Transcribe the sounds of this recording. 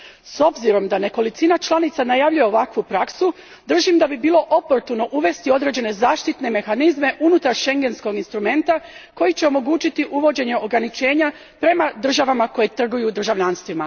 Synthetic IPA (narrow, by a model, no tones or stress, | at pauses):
so̞bziɾo̞md̪ane̞ko̞lit̪inat͡ʃlˠanit̪sanajaʋʎuje̞oʋakʋupɾaksu | d̪r̩ʒimd̪abibiːlˠo̞ʔopo̞ɾt̪uno̞ʔuʋe̞st̪io̞d̪ɾe̞d͡ʑe̞ne̞zaːʃt̪it̪ne̞me̞xanizme̞ʔunut̪aɾʃe̞ŋɡensko̞ɡinst̪ɾume̞nt̪ako̞jit͡ɕe̞o̞mo̞ɡuːt͡ʃit̪iʔuʋo̞d͡ʑe̞ɲe̞o̞ɡɾanit͡ʃe̞ːɲa | pɾe̞mad̪r̩ʒaʋamako̞jet̪r̩ɡujud̪r̩ʒaʋʎanst̪ʋima